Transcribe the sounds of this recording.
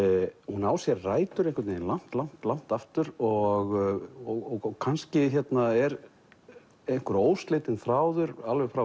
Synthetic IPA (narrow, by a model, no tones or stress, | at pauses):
hunaːwsjɛɾraːjt̪ʏɾejhkvaɾt̪neːɪnlan̥t̪lan̥t̪lan̥t̪aft̪ʏɾɔɣɔɣɔɣɣkʰanscɪçjɛt̪naɛɾ | ejŋ̥kʏɾoːwst̪leːjt̪ɪnθɾaːwðʏɾalvɛfɾa